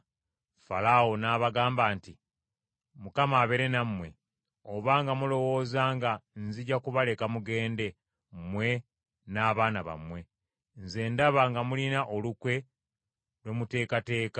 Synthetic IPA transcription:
fa̰lawonaːβaɡaːmbaːnti | mukamaːβe̞ɾenamwe̞̰ | oβaŋɡamulo̞wo̞ːzaːŋɡanziɟakuβale̞kamuɡe̞ːnde̞ | mwe̞ | naːβaːnaβa̰mwe̞ | nze̞ːndaβaŋɡamulinaʔolukwe̞ | lwemute̞ːkate̞ːka

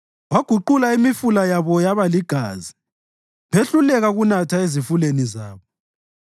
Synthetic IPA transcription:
waɡ̥ʱuǃulaimifulajaβɔjaβaliɡ̥ʱa̰ːzi | βeɬulɛɣaɣunatʰaezifulenizaːβɔ

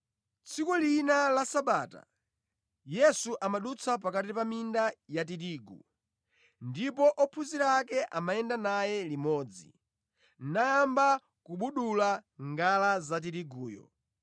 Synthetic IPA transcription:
t͡sʰikulinalasaɓaːta̰ | jɛsuʔamaɗut͡sʰap̬akatipamindajat̬iɾiːɡṵ | ndipɔʔɔpʰuziɾaːkɛʔamajɛndanajɛlimɔːd͡zḭ | najamba | kuɓuɗulaŋɡalazat̬iɾiɡuːjɔ̰

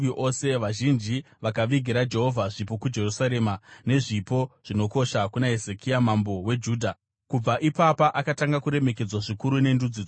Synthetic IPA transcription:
iʔo̞se̞ʋaʒind͡ʒi | ʋakaʋiɡʱiɾad͡ʒe̞ɦo̞vʱaʐip̬o̞kud͡ʒe̞rusaɾe̞ːmane̞ʐipo̞ʐ̥ino̞ko̞ʃakunaɦezekiamambo̞we̞d͡ʒuːdʱa | kub͡vaʔipapaʔakataŋɡakuɾe̞me̞k̬e̞d͡zwaʐikuɾune̞ndud͡zid͡z

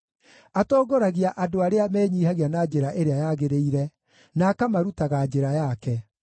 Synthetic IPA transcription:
atɔːɡoɾaɣiaʔadoaɾeamɛːɲiːhaɣianad͡ʒeɾaʔeɾeajaɣeɾeiɾɛ | naːkamaɾutaɣad͡ʒeɾajakɛ

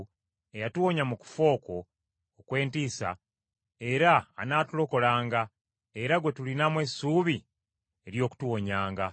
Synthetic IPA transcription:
e̞jatuwo̞ɲamuku̥fo̞ːko̞ː | kwe̞ːntiːsa̰ | e̞ɾa̰ːnaːtulo̞ko̞laːŋɡa | e̞ɾaɡwe̞tulinamwe̞suːβi | eɾjo̞ːku̥tuwoɲaːŋɡa

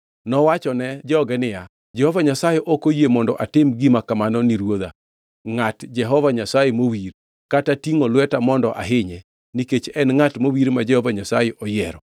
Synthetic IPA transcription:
nɔwat͡ʃɔnɛd͡ʒɔɡɛnɪja | d͡ʒɛhɔvaɲasajɛʔɔkojemɔndɔʔatɪmɡimakamanɔniɾwod̪a̰ | ŋatd͡ʒɛɦɔvaɲasajemowiɾ | katatiŋolwɛtamɔndɔʔa̰ɦɪɲɛ | niket͡ʃɛnŋatmowiɾmad͡ʒɛhɔvaɲasajeʔɔjɛɾɔ

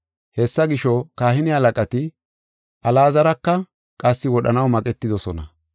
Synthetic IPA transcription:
hɛsːɐɡɪʃɔkaːhɪnɪhɐlɐkʼɐt̪ɪ | ʔɐlaːzɐɾɐkːɐ | kʼɐsːɪwɔɗɐnɐwmɐkʼɛt̪ːɪd̪ɔsɔnɐ̰

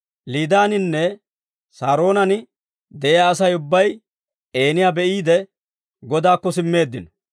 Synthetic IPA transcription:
liːd̪aːnɪnːɛ | saːɾo̞ːnɐnɪ | d̪ɛʔɪjaːsɐjʊbːɐj | e̞ːnɪjaːbɛʔiːd̪ɛ | ɡɔd̪aːkːɔsɪmːe̞ːd̪ːɪnɔ

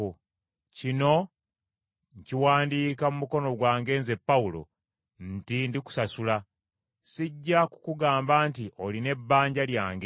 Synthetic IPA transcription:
cino̞ | ɲciwaːndiːkamumuko̞no̞ɡwaːŋɡe̞ːnze̞pːawulo̞̰ | ntindiku̥sasula | siɟːaku̥kuɡaːmbaːntiʔoline̞bːaːɲɟaljaːŋɡe

